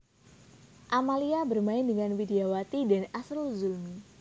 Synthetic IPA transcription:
ʔamaliabərmaɪndəŋanwideawat̪idanasɾuzulmi

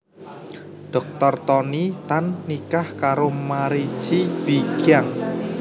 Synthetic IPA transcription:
ɖ̥ɔ̤k̚t̪ɔrt̪ɔnit̪anːikahkaɾomaɾi̥t͡ʃib̥iɡ̥aŋ

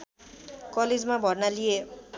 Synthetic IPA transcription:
kʌled͡zmabʱʌrnalije

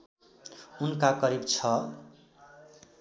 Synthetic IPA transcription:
unkakʌɾibt͡sʰʌ

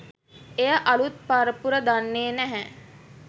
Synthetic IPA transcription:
ejəʔalut̪̚paɾəpuɾəd̪anːeːnæɦæ

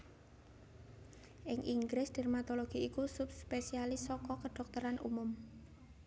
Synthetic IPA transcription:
ʔɪŋʔiŋɡɾɪsd̥ɛrmat̪ɔloɡ̥i̤ikusup̚spesialɪsɔkɔkəɖ̥ɔ̤k̚t̪əɾanʔṵmʊm

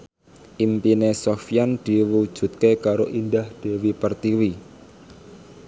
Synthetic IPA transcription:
ʔimpinesofjand̪̥i̤wud̥ʒ̥ṳt̪̚kekaɾoʔindahd̪̥e̤wipərt̪iwi

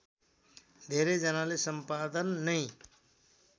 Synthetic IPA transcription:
d̪ʱeɾed͡zʌnalesʌmpad̪ənːʌj̃

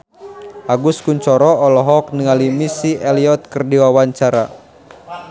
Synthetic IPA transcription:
ʔaɡuskuɲt͡ʃɔɾɔɔlɔɦɔk̚nəŋalimisiʔɛliɔt̪̚kərdiwawaɲt͡ʃaɾa̰

